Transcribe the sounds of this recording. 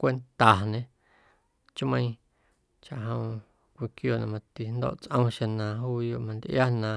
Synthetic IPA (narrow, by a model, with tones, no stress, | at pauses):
kʷe˧nt̪a˨ɲẽ˧ | t͡ʃmə̃˧j̃ | t͡ʃa˨ʔɦõ˧w̃ | kʷi˧kjo˧˨nã˧mã˧t̪i˧n˦d̪o̰ː˦˧ʔt͡sʔə̃˦˧w̃ʃẽ˧nã˨ɦuː˦jo˧˨ʔmã˧nd̪ʔja˦nã˨